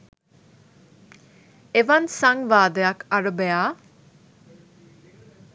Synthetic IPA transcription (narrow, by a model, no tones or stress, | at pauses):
eʋɐnsaŋʋaːd̪ɐjɐkɐɾəbejaː